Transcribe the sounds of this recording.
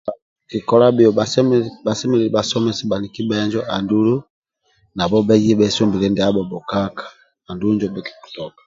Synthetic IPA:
ki˨kɔ˦la˦bi˨ɔ˨asba˨sɛ˦mɛ˦lii˨basɔ˦mɛ˦siba˨ni˨ki˦bɛ˦ɲd͡ʒɔʔa̰˨ndu˦lu˦ | na˨bɔ˦bɛ˦d͡ʒi˦bɛ˦sɔ˦mbi˨lɛ˦ndi˨a˦bɔ˨bɔ˨ka˦kḁː˨ | ndu˦ɲd͡ʒɔbɛ˨ki̥˨ku̥˨tɔ˨kḁ

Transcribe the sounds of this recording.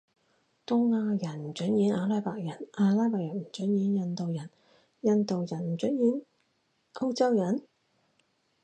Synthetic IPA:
t̪ʊ˥ŋːaː˧jɐ˨˩n̩˨˩t͡ʃɵ˨˥njiː˨˥naː˧laː˥jpaː˨k̚jɐ˨˩nʔaː˧laː˥paː˧k̚jɐ˨˩nm̩˨˩t͡ʃɵ˨˥njiː˨˥njɐ˨˧nt̪o˨wjɐ˨˩n | jɐ˧nt̪o˨wjɐ˨˩nm̩˨˩t͡ʃɵ˨˥njiː˨˥n | o˥wt͡sɐ˥wjɐ˨˩n

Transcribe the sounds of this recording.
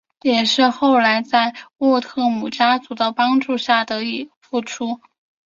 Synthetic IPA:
jɛ˨˩ʂɻ̩˥˧xo˥˩ʊla˧˥ɪt͡sa˥˧ɪwɔ˥˧t̪ʰɤ˥˩mu˨˩t͡ɕja˥t͡su˧˥d̪ə˧pɑ˥ŋʈ͡ʂu˥˧ɕja˥˩d̪ə˩˦i˨˩fu˥˩ʈ͡ʂʰu˥

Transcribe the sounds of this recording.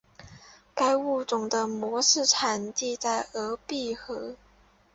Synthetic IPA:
ka˥ɪu˥˩t͡sʊ˨˩ŋd̪ə˦mwɔ˧˥ʂɻ̩˥˩ʈ͡ʂʰa˨˩nt̪i˥˧t͡sa˥˩ɪɤ˧˥pi˥˩xɤ˧˥

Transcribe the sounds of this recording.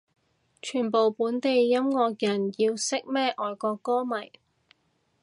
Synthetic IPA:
t͡ʃʰyː˨˩npo˨˩wpuː˨˥nt̪e˨jːɐ˥mŋɔː˧k̚jɐ˨˩njiː˧wsɪ˥k̚mɛː˥ʔɔː˨jkɔː˧kɔː˥mɐ˨˩j

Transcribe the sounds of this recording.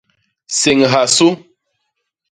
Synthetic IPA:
se˨ŋɦa˨su˦

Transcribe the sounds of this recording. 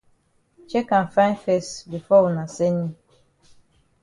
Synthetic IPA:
t͡ʃe˦kã˨n˨fã˦ɪ˦nfe˦˨stbi˨fɔ˦wu˨na˨se˦ɲi˦

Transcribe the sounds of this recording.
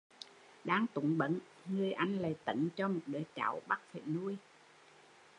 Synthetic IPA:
ɗaː˧ŋt̪ʊ˨˦ŋɓə̰˧˥n | ŋɨ˨˩əjʔa˧jŋ̟lə˨˩jt̪ə̰˧˩nt͡ɕɔ˧mo˨˩t̚ɗəː˨˦jt͡ɕa̰˧˨˦wɓa˦˥k̚fḛ˧˨nu˧əj

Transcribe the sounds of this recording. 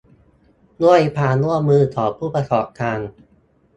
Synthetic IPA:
nu˥˩əjpʰaː˧nu˥˩əmɯː˧t̪ʰɔː˩˦pʰːuː˥˩pa˧sɔː˨˩˦p̚t̪ʰaː˧ŋ

